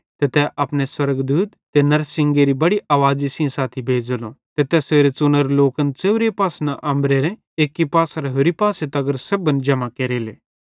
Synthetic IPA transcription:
t̪et̪ɛʔɐpneswɐɾɡd̪uːt̪ːenɐɾsɪ̃ŋɡeɾibɐɽiʔaːʋaːd͡ʒisĩsaːt̪ʰibʱeːd͡ʒəlot̪et̪ɛseːɾet͡sʊnəɾloːkənt͡seːʋɾepaːsnaʔɐ̃mbɾeɾɛ̃ | eːkːipaːsɾɦoɾipaːset̪ɐɡəɾsɐbənd͡ʒɐmakeːɾeːlḛː

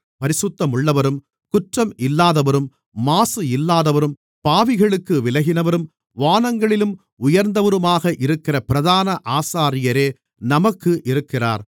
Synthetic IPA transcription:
pɐɾɪsɯt̪ːɐmɯɭːɐʋɐɾɯm | kʊʈrɐmɪlːaːðɐʋɐɾɯmː | aːsɯɪlːaːðɐʋɐɾɯm | paːʋɪɣɐɭɯkːɯʋɪlɐɣɪnɐʋɐɾɯm | ʋaːnɐŋɡɐɭɪlɯm | ʊjɐɾnd̪ɐʋɐɾɯmaːɣɐʔɪɾɯkːɪrɐpɪɾɐðaːnɐʔaːsaːɾɪjɐɾeː | nɐmɐkːɯʔɪɾɯkːɪra̰ːɾ

